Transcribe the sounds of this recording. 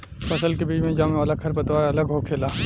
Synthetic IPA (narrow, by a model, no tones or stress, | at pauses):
fɐsəlkebiːd͡ʒmẽd͡ʒaːmẽʋaːlakʰɐɾpɐt̪waːɾaɐləɡɦokʰeːlaː